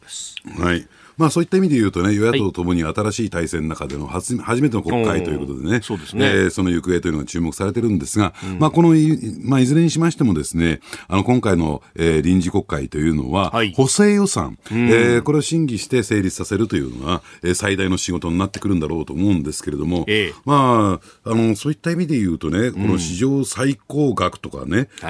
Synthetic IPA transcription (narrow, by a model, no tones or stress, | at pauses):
hai | maːso̞ːit̪ːaimʲid̪e̞jɯ̟ːt̪o̞ne̞jo̞jak̪ːotːot̪o̞mo̞ɲ̟iaːt̪aɾaɕiːt̪aisẽ̞nnakad̪e̞no̞hahaʑimet̪e̞nko̞kːait̪o̞jɯ̟ːko̞t̪o̞d̪e̞ne̞sod̪esːso̞no̞jɯ̟kɯe̞ːt̪ojɯnoɡat͡ɕɨːmo̞kɯ̥saɾe̞t̪e̞ɾɯ̟̃nd̪e̞sɨɡamaːko̞no̞maizɨɾẽ̞ɲːiɕimaɕi̥t̪e̞mo̞d̪esɨne̞ano̞kõŋkaino̞̰eːɾʲĩɲ̟d͡ʑiko̞kːait̪o̞jɯ̟ːno̞̰βaho̞se̞ːjo̞sã̰ŋeːko̞ɾe̞oɕĩŋɡʲiɕi̥t̪e̞se̞ːɾʲit͡sɨ̥sase̞ɾɯ̟t̪o̞jɯ̟̰ːno̞̰βaeːsaid̪aino̞ɕiɡo̞t̪o̞ɲ̟inat̪ːe̞kɯ̟ɾɯ̟nd̪aɾo̞ːt̪o̞ːmo̞ɯ̃nd̪e̞sɨ̥ke̞ɾe̞d̪o̞mo̞maːano̞so̞ːit̪ːaimʲid̪e̞jɯ̟ːt̪o̞ne̞ko̞no̞ɕiʑo̞ːsaiko̞ːɡakɯ̥t̪o̞ka̰ne̞